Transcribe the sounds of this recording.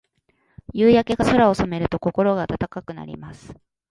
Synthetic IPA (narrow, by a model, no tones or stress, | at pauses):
jɯːjake̞ɡaso̞ɾao̞some̞ɾɯ̟t̪o̞ko̞ko̞ɾo̞ɡaːt̪at̪akakɯ̟na̰ɾʲḭmasɨ̥